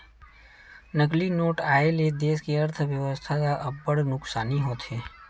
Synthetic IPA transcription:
nəklinoːʈaːeled̪eːskiəɾt̪ʰəʋjəʋəst̪ʰakaʔɐbːəɽnʊksaːniɦoːt̪ɦeː

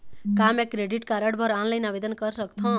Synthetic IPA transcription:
kamekːɾeɖiʈkaɾəɽbʱʌɾanlajnaʋed̪ənkʌɾsʌkt̪ʰɔ̃

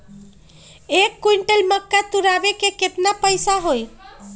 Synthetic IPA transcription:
ekːuiɳʈəlməkːat̪uɾabekeket̪napəjsaɦoj

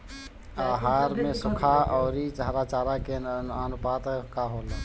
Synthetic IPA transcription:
aːɦaːɾmẽsʊkʰaɔːɾit͡ʃəɦɾat͡ʃaːɾakeənʊpaːt̪kaɦoːleː

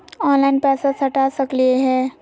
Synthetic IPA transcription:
ɔːnlaɪnpɛːsasɐʈasɐklieɦɛː

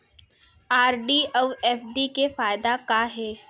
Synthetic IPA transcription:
aːɾɖiːəʋɛːfɖikefaːjd̪akaɦɛː

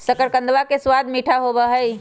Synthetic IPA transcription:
səkəɾkə̃nd̪ʋakeswad̪ʱmiʈʰaɦobəɦəi

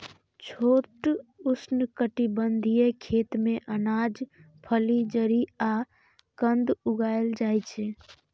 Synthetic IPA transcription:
t͡ʃʰoʈusnkəʈibənd̪ʱijekʰet̪mẽʔənad͡ʒ | pʰəlid͡ʒəɾia | kənd̪uɡaeld͡ʒajt͡ʃʰɛ

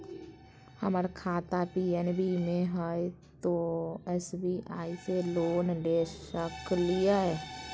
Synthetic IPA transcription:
həməɾkʰaːt̪apiːɛnbʱimẽɦəe | t̪oɛːsbiːʔaːiseloːnleːʃəklijaɦɛː

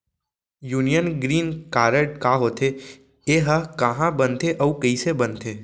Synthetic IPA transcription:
juːnijənɡɾiːnkaːɾəʈkaːɦoːt̪ʰe | eɦəkəɦãbənt̪ʰeʔəukəisebənt̪ʰeː

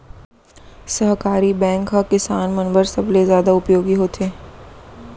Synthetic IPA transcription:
səɦkaːɾibɛ̃ːŋkɦakɪsaːnmɐnbəɾsɐblezjaːd̪aʊpjoːɡiɦoːt̪ʰeː

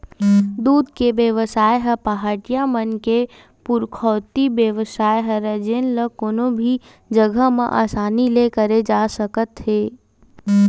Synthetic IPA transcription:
d̪uːd̪ʱkeʋjəʋəsaːjɦɛpaɦaːʈijamənke | pʊɾkʰɔːt̪ibjəʋəsaːjɦɛɾəd͡ʒeːnləkoːnõbʱi | d͡ʒəɡʱəmḛ̃ʔa̰ːsaːnilekəɾed͡ʒaːsəkət̪ɦeː

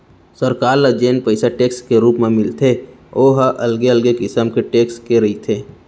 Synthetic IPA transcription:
səɾkaːɾlad͡ʒeːnpəɪsaʈeːkskeɾuːpmẽmɪlt̪ʰe | oːɦʔɐlɡeəlɡekɪsəmkeʈeːkskeɾɐɦit̪ʰeː

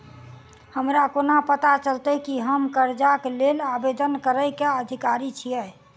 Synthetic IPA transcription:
həmɾakonapət̪at͡ʃəlt̪əkiɦəmkəɾd͡ʒakelelabed̪ənkəɾəjkeəd̪ʱikaɾit͡ʃʰijə

